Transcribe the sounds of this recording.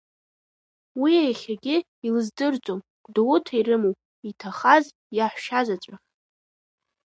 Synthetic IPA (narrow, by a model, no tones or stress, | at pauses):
wiajχʲaɡʲɪ | ilɨzdɨrt͡sʼom | ɡʷʼdowʊtʰairɨmowpʼ | itʰaχaz | jaħʷʃazat͡ʃʷʼaχʲ